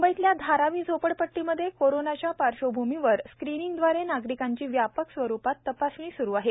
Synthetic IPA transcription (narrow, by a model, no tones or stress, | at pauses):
umbəit̪ljad̪ʱaɾaʋiːd͡zʱopəɽpəʈːiməd̪ʱːjekoɾonat͡ɕjapaɾɕobʱumiʋəɾskɾiniŋɡd̪ʋaɾenaɡɾikaɲt͡ɕiːʋjapəksʋəɾupat̪ːəpasʋĩːsuɾuːaɦe